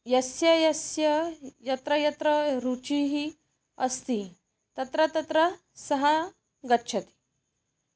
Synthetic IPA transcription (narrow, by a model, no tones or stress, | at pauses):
jɐsjɐjɐsjɐjɐt̪ɾɐjɐt̪ɾɐɾut͡ʃiɦi | ɐst̪i | t̪ɐt̪ɾɐt̪ɐt̪ɾɐ | sɐɦɐ | ɡɐtːʃʰɐt̪i̥